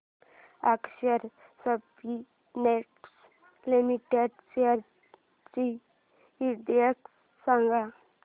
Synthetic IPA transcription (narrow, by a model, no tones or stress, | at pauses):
akʃəɾ | səb | i | neʈs | limiʈeɖseəɾ | t͡ʃi | iɖiək | saŋɡa